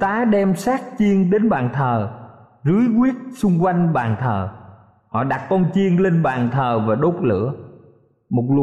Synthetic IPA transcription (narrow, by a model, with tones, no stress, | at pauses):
t̪aː˨˦ɗɛ˧msaː˦˥k̚t͡ɕi˧əŋɗe˨˦nɓaː˨˩nt̪ʰəː˨˩ | zɨ˨˦əjɣwi˦˥ət̚sʊ˧ŋ͡mkwa˧jŋ̟ɓaː˨˩nt̪ʰəː˨˩ | hɔ̰˧˨ɗa˨˩t̚kɔ˧nt͡ɕi˧əŋle˧nɓaː˨˩nt̪ʰəː˨˩vaː˨˩ɗo˦˥t̚lɨ̰˧˥ə | mo˨˩t̚lṵ˧˨